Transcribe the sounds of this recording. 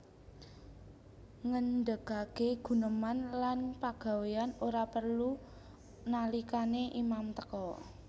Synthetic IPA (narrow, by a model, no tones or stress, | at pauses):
ŋənɖəkakeɡ̥ṳnəmanlanpaɡ̥a̤weanoɾapərlu | nalikaneʔimamt̪ə̥kɔ